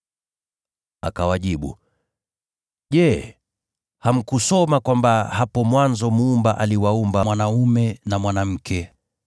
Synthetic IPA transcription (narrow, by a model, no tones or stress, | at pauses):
akawaʄiɓṵ | ʄɛ | ham̩kusɔmakwambahapɔmwanzɔmuːmbaʔaliwaumbamwanaumɛnamwanam̩kɛ